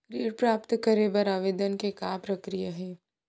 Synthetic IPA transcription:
ɾiːɽpɾaːpt̪kɐɾebɐɾaːʋeːd̪ənkekaːpɾɐkɾijaɦɛ̃ː

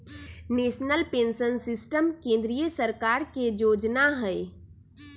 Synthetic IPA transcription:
neːʃnəlpẽːnsənsɪsʈəmkẽːnd̪ɾijəsəɾkaːɾkejoːd͡ʒnaɦɛː

